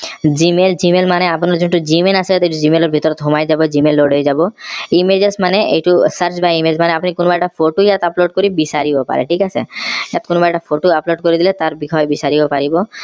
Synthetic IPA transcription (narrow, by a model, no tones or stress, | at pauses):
d͡ʒimeld͡ʒimelmaneapɔnɔɾd͡ʒoʈud͡ʑimelaset̪ejʈud͡ʑimelɔɾbʱit̪ɔɾɔt̪ɦumajd͡ʒabɔd͡ʑimelːoɽejd͡ʒabɔimed͡ʒesmaneḛjʈusəɾt͡ʃbaimed͡ʑmaneapnikonobajʈafʰoʈujat̪aploɖ̚koɾibisaɾibopa̰ɾḛʈʰikasʰejat̪̚konobajʈapʰoʈoaploɖ̚koɾid̪ilet̪aɾbikʰɔjbisaɾibɔpaɾibɔ